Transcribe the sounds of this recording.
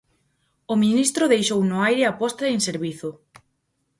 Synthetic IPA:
ʊmĩnist̪ɾʊðejʃownʊajɾeapɔst̪aeŋseɾβiθʊ

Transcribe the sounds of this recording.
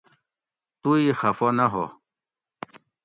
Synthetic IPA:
t̪uixɐfonaɦo̰

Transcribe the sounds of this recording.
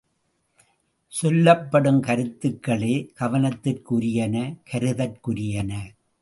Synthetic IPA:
sɔlːɐpːɐɽɯmkɐɾɯt̪ːɯkːɐɭeːɡ̥ɐʋɐnɐt̪ːɪrkʊɾɪjɐnɐkɐɾɯðɐrkʊɾɪjɐnɐ

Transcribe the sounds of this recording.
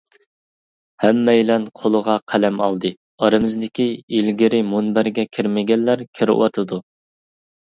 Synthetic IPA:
hɛmːɛjlɛnqʰolˠəʁɑqʰælɛmɑ̰lˠd̪ɨ | ɑɾɨmɨzd̪ɪkʲiilɡʲiɾɪmunbæɾɡʲɛkʲʰiɾmɪɡʲɛlːæɾkʲʰiɾɪ̰wɑ̰t̪ʰɨd̪u

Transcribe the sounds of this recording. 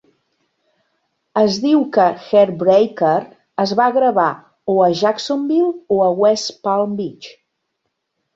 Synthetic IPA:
əzðiwkəxɛɾbɾejkəɾ | əzβaɣɾəβa | oəʒaksombilˠoəwɛspalˠmbit͡ʃ

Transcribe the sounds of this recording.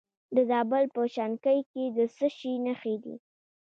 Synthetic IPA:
d̪əzɑbəlpəʃankəjked̪əsəʃinaxed̪ḭ

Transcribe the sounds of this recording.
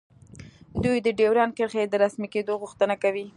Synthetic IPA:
d̪ujd̪əɖewɾɑnkəɾxed̪əɾasmiked̪oɣuxt̪ənakawi

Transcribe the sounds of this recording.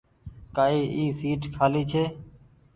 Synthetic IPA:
kaːiːʔiːsiːʈkʰaːliːt͡ʃʰeː

